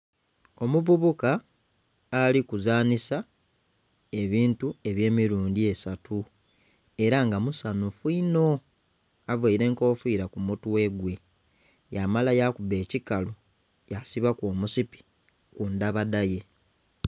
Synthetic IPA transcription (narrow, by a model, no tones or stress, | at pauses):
o̞muvuβukaː | likuzaːnisa | e̞βiːntue̞βje̞ːmiɾuːndie̞satʰu | e̞ɾaŋɡamusanufuino̞ | avweiɾe̞ːŋko̞ːfiːɾakumutuwe̞ɡwe̞ | jamalajakube̞ːcikalo | jasiβakwoːmusipi̥ | kundaβadaje̞